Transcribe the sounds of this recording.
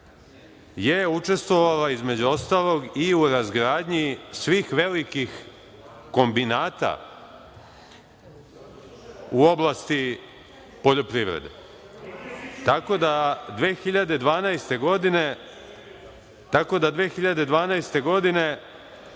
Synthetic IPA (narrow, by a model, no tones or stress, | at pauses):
jeut͡ʂe̞st̪ʋo̞ʋalaizme̞d͡ʑuo̞st̪aːlˠo̞ɡiuɾazɡɾaːd̪ɲisʋiːxʋe̞likix | ko̞mbinaːt̪a̰ | uo̞blˠast̪i | po̞ʎo̞pɾivɾḛd̪ḛ | t̪ako̞d̪ad̪ʋeːxiʎad̪e̞d̪ʋaːnajst̪e̞ɡo̞d̪ine̞ | t̪ako̞d̪ad̪ʋeːxiʎad̪e̞d̪ʋaːnajst̪e̞ɡo̞d̪ine̞